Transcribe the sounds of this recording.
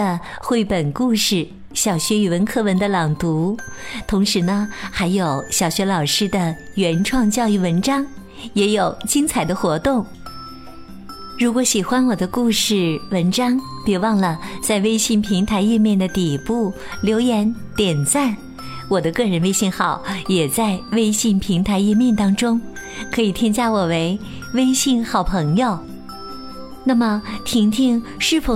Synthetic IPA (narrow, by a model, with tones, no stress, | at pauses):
ə˧ | xwe˥˩ɪpə˨˩nku˥˧ʂɻ̩˥˩ | ɕjɑ˨˩ʊɕɥɛ˧˥y˨˩wə˧˥nkʰɤ˥wə˧˥nd̪ə˧lɑ˨˩ŋt̪u˧˥t̪ʰʊ˧˥ŋʂɻ̩˧˥nə˧xa˧˥ɪjo˨˩˦ʊɕjɑ˨˩ʊɕɥɛ˧˥lɑ˨˩ʊʂɻ̩˥d̪ə˨ | ɥɛ˧˥nʈ͡ʂʰwɑ˥˧ŋt͡ɕjɑ˥˧ʊi˥˩wə˧˥nʈ͡ʂɑ˥ŋ | jɛ˧˥jo˨˩ʊt͡ɕi˥ŋt͡sʰa˨˩ɪd̪ə˦xwɔ˧˥t̪ʊ˥˩ŋ | ɻu˧˥kwɔ˧˥ɕi˨˩xwa˥nwɔ˨˩d̪ə˦ku˥˧ʂɻ̩˥˩wə˧˥nʈ͡ʂɑ˥ŋpjɛ˨˩wɑ˥˧ŋlə˩t͡sa˥˧ɪwe˥ɪɕi˥˩npʰi˧˥ŋt̪ʰa˧˥ɪɛ˥˧mjɛ˥˩nd̪ə˩t̪i˨˩pu˥˩ | ljo˧˥ʊjɛ˧˥nt̪jɛ˨˩nt͡sa˥˩n | wɔ˨˩d̪ə˦kɤ˥˩ɻə˧˥nwe˥ɪɕi˥˩nxɑ˨˩˦ʊjɛ˨˩t͡sa˥˧ɪwe˥ɪɕi˥˩npʰi˧˥ŋt̪ʰa˧˥ɪɛ˥˧mjɛ˥˩nt̪ɑ˥ŋʈ͡ʂʊ˥ŋ | kʰɤ˧˥i˨˩t̪ʰi˥nt͡ɕja˥wɔ˨˩we˧˥ɪ | we˥ɪɕi˥˩nxɑ˨˩ʊpʰɤ˧˥ŋjo˥˧ʊ | na˥˩mə˩t̪ʰi˧˥ŋt̪ʰi˥ŋʂɻ̩˥˩fo˧˥